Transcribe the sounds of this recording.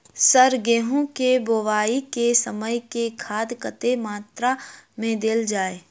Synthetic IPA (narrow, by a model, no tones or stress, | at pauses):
səɾɡeːɦõkebowaːikesəməjkekʰaːd̪kət̪emaːt̪ɾamẽd̪eld͡ʒaːeː